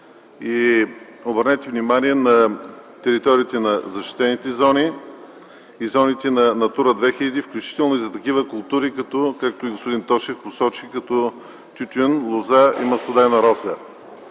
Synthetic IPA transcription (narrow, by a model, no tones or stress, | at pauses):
i | obəɾnɛt̪ɛvnimanʲiɛnɐt̪ɛɾit̪ɔɾiːt̪ɛnɐzɐʃt̪i̥t̪ɛnit̪ɛzɔni | izɔnit̪ɛnɐnɐt̪uɾəd̪vɛxilʲɐd̪ifklʲut͡ʃi̥t̪ɛlˠnoizɐt̪ɐkivəkʊlˠt̪uɾikɐt̪ɔkak̚t̪oiɡospod̪int̪ɔʃɛfposɔt͡ʃikɐt̪ɔ | t̪ʲut̪ʲɛnlˠozaḭməsˠod̪anɐɾɔzɛ